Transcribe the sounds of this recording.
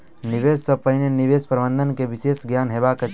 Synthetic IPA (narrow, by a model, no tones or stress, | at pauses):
nɪʋeːssəpəɪnenɪʋeːspɾəbə̃nd̪ənkeʋɪʃeːsɡjaːnɦeːbaket͡ʃ